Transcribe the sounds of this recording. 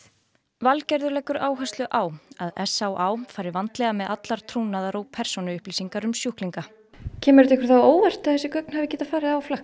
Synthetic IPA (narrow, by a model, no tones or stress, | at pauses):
valcɛɾðʏlɛːkʏɾʔaːwɦœst̪lʏʔaːwaðɛsːawʔaːwfaːjɾɪɾvant̪lɛɣamɛðat̪laɾ̥t̪ʰɾuːnaðaɾoːwpʰɛɾ̥sonʏʏhpliːsiŋkaɾʏmsjuhkliŋka | cʰɛːmɛɾʏt̪ɛkʏɾθawoːwvɛr̥t̪ɪaθɛsɪkœk̚nhavɪcɛːt̪afaːɾɪaflax